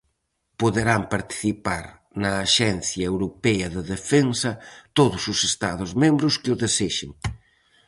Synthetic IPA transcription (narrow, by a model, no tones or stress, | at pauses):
poðeɾampaɾt̪i̥θipaɾ | nɐːʃɛnθjɐewɾopɛɐðeðefensɐt̪oðʊsʊsest̪a̰ðʊzmẽmbɾʊskɪʊðeseʃḛŋ